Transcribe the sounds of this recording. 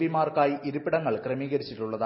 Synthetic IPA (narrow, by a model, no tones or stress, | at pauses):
ʋimaːrkaːjiiɾupːiɽɐŋːɐɭkrɐmiːɣɐɾit͡ɕːiʈːuɭːɐðaː